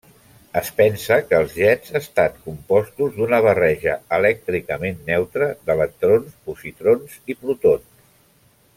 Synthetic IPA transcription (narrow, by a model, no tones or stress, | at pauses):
əspɛnsəkəːlˠzʎɛdzast̪at̪kumpɔst̪uzd̪unəβ̞ərɛʒəəlɛk̚t̪ɾikəmenːɛwt̪ɾəðələk̚t̪ɾonspusit̪ɾonsipɾut̪ons